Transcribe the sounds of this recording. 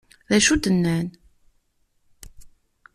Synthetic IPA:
ðæʃud̪ənːæn

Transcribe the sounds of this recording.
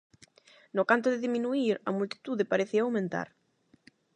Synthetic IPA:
nokant̪oðeðimĩnuiɾɐmult̪i̥t̪uðepaɾeθiaawmẽnt̪a̰ɾ

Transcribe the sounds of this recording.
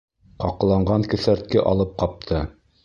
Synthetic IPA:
qɑqɤ̆lˠɑɴɢɑŋkɵ̆θæɾt̪̚kɘʔɑ̰lˠɤp̚qɑp̚t̪ʰɤ

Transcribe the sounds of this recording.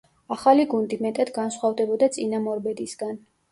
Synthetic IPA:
aχaliɡund̪imɛt̪ʼad̪ɡansχwavd̪ɛbɔd̪at̪sʼinamɔɾbɛd̪isɡan

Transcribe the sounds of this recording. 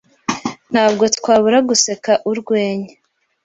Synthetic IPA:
n̥haːb̚ɡo̞tkwaːβuɾaɡuse̞kaʔuɾɡweːɲe

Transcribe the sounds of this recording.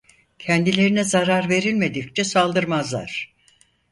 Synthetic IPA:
cʰɛnd̪ilʲe̞ɾinɛzaɾaɾve̞ɾilʲme̞d̪ict͡ʃʰɛsalˠd̪ɯɾmazlˠa̰ɾ̥

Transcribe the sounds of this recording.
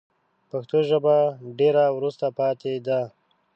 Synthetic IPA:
paxt̪oʒəbaɖeɾawɾust̪apɑt̪ed̪a

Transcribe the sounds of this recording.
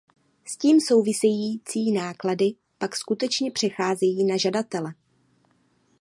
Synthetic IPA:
sciːmso̞wvɪsɛjiːt͡siːnaːkladɪ | pakskut̪ɛt͡ʃɲɛpr̝̥ɛxaːzɛjiːnaʒadat̪ɛlɛ

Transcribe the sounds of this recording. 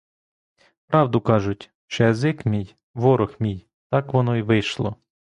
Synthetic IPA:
pɾɑwd̪ʊkɑʒʊtʲ | ʃt͡ʃɔjɐzɪkmʲij | ʋɔɾɔxmʲij | t̪ɑkʋɔnɔiʋɪjʃlˠɔ̰

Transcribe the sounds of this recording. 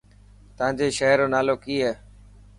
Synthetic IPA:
t̪əãːd͡ʑeːʃəɦɾõːnaːloːkiːɦeː

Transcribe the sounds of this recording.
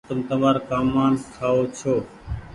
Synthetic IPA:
t̪ʊmt̪əmaːɾkaːmːaːnkʰaːoːt͡ʃʰoː

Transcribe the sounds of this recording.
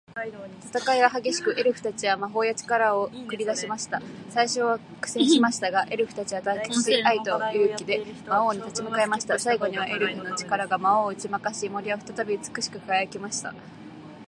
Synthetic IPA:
t̪at̪akaiβaɦaɡʲe̞ɕi̥kɯ̟ʔe̞ɾɯ̟ɸɯ̟̥t̪at͡ɕiβamaɦo̞ːjat͡ɕi̥kaɾao̞kɯ̟ɾʲid̪aɕimaɕi̥t̪asaiɕo̞βa | kɯ̟̥sẽ̞ɰ̃ɕimaɕi̥t̪aɡaʔe̞ɾɯ̟ɸɯ̟t̪at͡ɕiβat̪ake̥ɕiait̪o̞ɯɾɯ̟kʲid̪e̞mao̞ːɲ̟it̪at͡ɕimɯ̟kae̞maɕi̥t̪asaiɡo̞ɲ̟iβaʔe̞ɾɯ̟ɸɯ̟no̞t͡ɕi̥kaɾaɡamaoːɯ̟t͡ɕimakaɕimo̞ɾʲiβaɸɯ̟t̪at̪abʲit͡sɨ̥kɯ̟ɕi̥kɯ̟kaajakemaɕi̥t̪a̰

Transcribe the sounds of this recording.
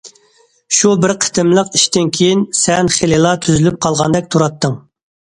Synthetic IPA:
ʃubɪɾqʰə̥t̪ʰɪmlˠəqiʃt̪ɪnkʲʰejinsɛnχelɪlˠɑt̪ʰyzylyp̚qʰɑlˠʁɑnd̪ɛk̚ʲt̪ʰuɾɑt̪ʰːɨŋ

